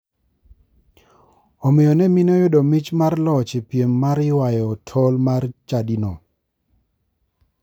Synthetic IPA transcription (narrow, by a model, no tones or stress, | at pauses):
ɔmɪjɔnɛminojʊdomit͡ʃmarlɔt͡ʃɪpjemːaɾɪwajɔtʰɔlmart͡ʃadino